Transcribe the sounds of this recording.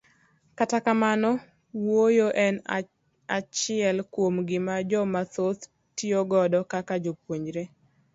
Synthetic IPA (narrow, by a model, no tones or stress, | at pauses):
katakamanɔ | wojoʔɛn | at͡ʃɪɛlkwomɡɪmad͡ʒɔmatot̪ | tioɡɔdɔkakad͡ʒopwoɲd͡ʒɾe